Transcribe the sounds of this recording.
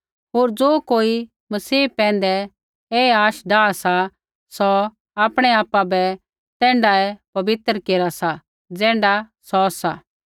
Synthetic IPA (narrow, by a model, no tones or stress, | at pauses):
ɦoːɾd͡zoːkoːi | mɐsiːpɛ̃ːn̆d̪ɛ | eaːʃɖaːasa | sɔ | aːpɽ̃ɛaːpːabɛ | t̪ɛ̃ːɳɖaɛpɐbɪt̪ɾkeːɾasa | d͡zɛ̃ːɳɖasɔsa